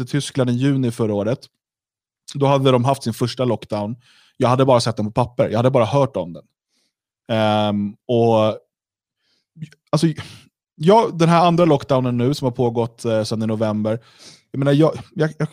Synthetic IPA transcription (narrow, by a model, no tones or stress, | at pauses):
ɪt̪ʰʏskland̪ɪjʉ̟ːnɪfœɾaoːɾət̪ | d̪ɔhad̪ːəd̪ɔmɦaft̪sɪnfœʂʈalɔkːd̪aʊn | jɑːɡhad̪ːəbɑːɾasɛt̪̚d̪ɛnpʰɔpʰapːəɾjɑɡad̪ːəbɑːɾahœːʈɔ̰md̪ɛn | ɔ | alsɔ | jɑːɡd̪ɛnɦæɾand̪ɾalɔkːd̪aʊnənːʉ̟ːsɔmhaɾpʰoːɡɔt̪ːsɛnːɪnʊvɛmbəɾ | jameːnajɑːjɑjɑː